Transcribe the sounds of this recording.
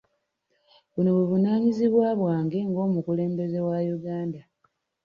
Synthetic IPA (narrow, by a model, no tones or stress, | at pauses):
βuno̞βuvunaːɲiziβwaːβwaːŋɡe̞ŋɡo̞ːmukule̞ːmbe̞ze̞wajuɡaːnda